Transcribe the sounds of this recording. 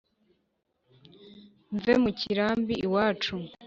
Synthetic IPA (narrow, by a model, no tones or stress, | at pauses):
ɱvemuciɾaːmbiiwaːt͡ʃu